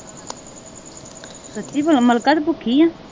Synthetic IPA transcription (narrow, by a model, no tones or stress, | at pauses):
sətːiːbəlməlkat̪bʊkʰiːjãː